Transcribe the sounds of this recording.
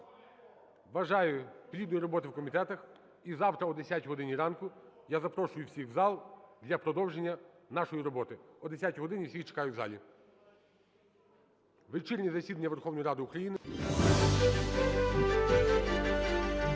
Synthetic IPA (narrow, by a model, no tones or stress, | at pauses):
ʋɐʒɑjʊpɾʲid̪nɔjiɾɔbɔt̪ɪwkɔmʲit̪ɛt̪ɐx | izɑwt̪ɾɐɔd̪esʲatʲɦɔd̪ɪnʲiɾɑnkʊ | jazɐpɾɔʃʊjʊwsʲiɣzɑlˠd̪lʲɐpɾɔd̪ɔwʒenʲːɐnɑʃɔjiɾɔbɔt̪ɪɔd̪esʲatʲɦɔd̪ɪnʲiwsʲixt͡ʃe̥kɑjʊzɑ̰lʲi | ʋɪt͡ʃiɾʲnʲizɐsʲid̪ɐnʲːɐʋerxɔwnɔjiɾɑd̪ɪʊkɾɐjinɪ